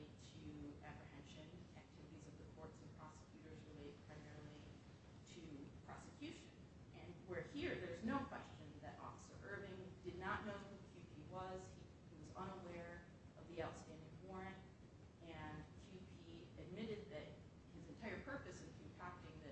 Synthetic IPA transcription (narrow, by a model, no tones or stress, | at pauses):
tʰɨæpɹ̥ɨhɛ̃nʃɨ̃næk̚tʰɪvɨɾizʌvðɨkʰɔɹtsn̩pʰɹ̥ɑsə̥kʰj̥ʉɾə˞zɹɨleɪt̚pʰɹ̥ãɪmɛɹl̩ˠi | ɾɨpʰɹ̥ɑ̰sɨkʰj̥ʉʃɨ̃n | ɨ̃nwə˞hiɹðə˞znoʊkʰw̥ɛst͡ʃɨ̃nðɨɾʔɔ̰fə̥sə̰˞ʔɜ˞bɪ̃ŋdɨdⁿnəʔⁿnoʊhukʰj̥ʉpʰiwʌz̥i | hiwʌzʌ̃nəwɛɹ | ʔʌvðiaʊtstæ̃ndɪ̃ŋwɔɹɨ̃nt | ɨ̃nkʰj̥ʉpʰi | ɨd̚mɪɾɨd̪̚ðɨt̚ | hɨzɨ̃ntʰaɪə˞pʰɜ˞pɨsɨ̃nkʰɨ̃pʰæk̚tɪ̃ŋðɨ